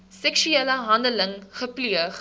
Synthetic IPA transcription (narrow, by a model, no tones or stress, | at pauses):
sɛkʃyeləɦɐndələŋχəpliəχ